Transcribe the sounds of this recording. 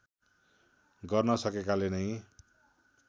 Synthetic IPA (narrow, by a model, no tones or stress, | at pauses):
ɡʌrnʌsʌkekalenʌj̃